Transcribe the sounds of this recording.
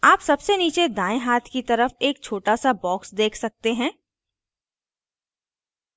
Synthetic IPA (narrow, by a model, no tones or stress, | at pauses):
aːpsɐbseniːt͡ʃed̪ãːẽɦaːt̪ʰkit̪ɐɾəfeːk̚t͡ʃʰoːʈasabɔːksd̪eːkʰsɐk̚t̪eɦɛ̃ː